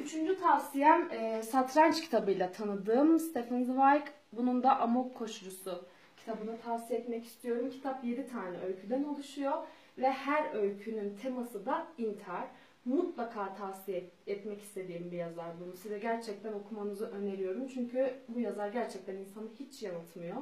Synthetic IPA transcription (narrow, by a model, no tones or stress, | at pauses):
yt͡ʃʰynd͡ʒyt̪ʰavsijænɛsat̪ʰɾant͡ʃcʰi̥t̪ʰabɯjlʲat̪ʰanɯd̪ɯːmst̪ʰefanzvajk | bunund̪aʔamopkʰo̞ʃuɾusu | cʰi̥t̪ʰabɯnat̪ʰavsijɛt̪mɛci̥st̪ʰijo̞ɾumcʰi̥t̪ʰapje̞d̪it̪ʰaːnɛø̞lʲcʰyd̪æno̞lˠuʃujo | vɛhæɾø̞lcʰynynt̪ʰemasɯd̪aint̪ʰaɾ̥ | mut̪lˠakʰaːt̪ʰavsijɛɛt̪mɛci̥st̪ʰe̞d̪iːmbijazaɾbununsizɛɟæɾt͡ʃʰɛc̚t̪ʰæno̞kʰumanɯzɯʔø̞ne̞lijo̞ɾumt͡ʃʰyɲcʰybujazaɾɟæɾt͡ʃʰɛc̚t̪ʰæninsanɯhit͡ʃjanɯt̪ʰmɯjo̞